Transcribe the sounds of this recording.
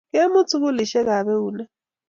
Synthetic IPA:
ke˦mu˦t͡sʰu˦k̬u˦li˨ʃɛ˦k̬a˨βɛ˦uː˨nɛ˦

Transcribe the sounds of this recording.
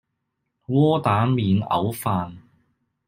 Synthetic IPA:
wɔː˥t̪aː˨˥miː˨nɐ̰˨˧˥wfaː˧n

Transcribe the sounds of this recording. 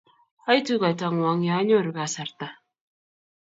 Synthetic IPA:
a˦jt̪u˦ka˨ta˦ŋ˨wa˨˦ŋja˨˦ɲo˦˨ɾɡa˨sa˨ɾt̪a˦

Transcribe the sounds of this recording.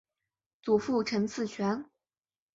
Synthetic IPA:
t͡su˨˩fu˥˩ʈ͡ʂʰə˧˥nt͡sʰɹ̩˥˩t͡ɕʰɥɛ˧˥n

